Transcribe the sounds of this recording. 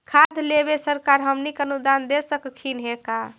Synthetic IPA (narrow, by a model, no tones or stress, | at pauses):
kʰad̪ʱlebesəɾkaɾɦəmnikənud̪and̪esəkkʰinɦeka